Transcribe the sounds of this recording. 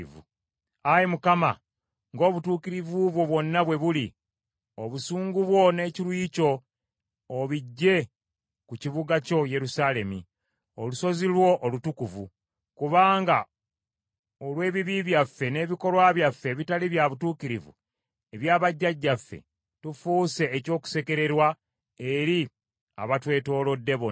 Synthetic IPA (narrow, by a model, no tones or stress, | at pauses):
vṵ | ajimukama̰ | ŋɡo̞ːβutuːkiɾivuβwo̞βwo̞nːaβwe̞βuli | oβusuːŋɡuβwo̞ne̞ːcilwiːco̞ː | βiɟːe̞ | kuciβuɡaco̞je̞ɾusaːle̞mḭ | oluso̞zilwo̞ʔolutukuvṵ | kuβaːŋɡa | olwe̞ːβiβiβjafːe̞ne̞ːβiko̞lwaːβjafːe̞βitaliβjaβutuːkiɾivṵ | e̞βjaːβaɟːaɟːafːe̞̰ | tufuːse̞ːco̞ːku̥se̞keɾe̞ɾwa | e̞ɾi | a̰βatwe̞ːto̞ːlo̞dːe̞βo